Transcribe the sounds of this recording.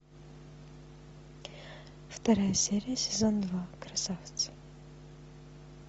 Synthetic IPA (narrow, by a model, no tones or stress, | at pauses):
ft̪ɐɾajəsʲeɾʲɪjəsʲɪzond̪vakɾɐsaft̪s